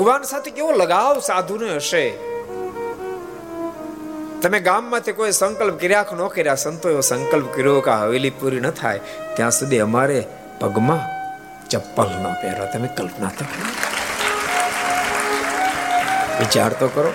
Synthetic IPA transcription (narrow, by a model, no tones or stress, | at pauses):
bʱəɡʋaːnsat̪ʰekeʋõləɡaʋsad̪ʱuneəʃe | t̪əmẽɡamːãt̪ʰikoisəŋkəlp̚kəɾjakʰonokəɾjasənt̪oeʋosə̃ŋkəlp̚kəɾjokaɦəʋelipuɾinət̪ʰa̰j | t̪jãsud̪ʱiəmaɾe | pəɡmã | t͡ʃəpːəlno̰pɛ̰ɾa̰t̪əmekəlpna̰t̪ʰokʰno | ʋɪt͡ʃa̰ɾt̪okəɾo